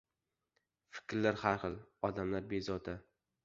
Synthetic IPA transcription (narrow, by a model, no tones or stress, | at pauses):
fɪ̥kʲɾlaɾhaɾχɨlˠɒd̪amlaɾbezɒd̪ʰa